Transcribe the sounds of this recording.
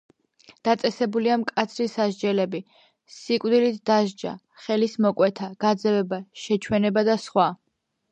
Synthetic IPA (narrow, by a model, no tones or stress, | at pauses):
d̪̥at̪sʼɛsɛbuliamkʼat̪sʰɾisaʒd͡ʒɛlɛbi | sikʼvd̪ilit̪ʰd̪̥aʒd͡ʒa̰ | χɛlismɔkʼwɛt̪ʰaɡ̥ad̪zɛvɛbaʃɛt͡ʃʰwɛnɛbad̪asχwa